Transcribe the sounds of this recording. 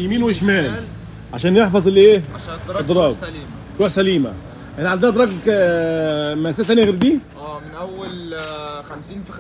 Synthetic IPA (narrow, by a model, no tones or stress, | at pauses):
jmiːnwʃmæːl | ʕaʃæːnjeħfɑzˤɪlːʔeːɑd̪ɾˤɑːb | ɾuħsæliːmæ̰ | ʔænʕand̪æd̪ˤɾˤɑɡk | mæsæt̪ːænjɣeɾd̪iːʔæːmɪnʔæwːælxæmsiːnf